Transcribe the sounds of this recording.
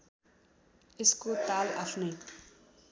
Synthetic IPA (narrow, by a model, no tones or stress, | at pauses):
eskot̪ala̰ɬne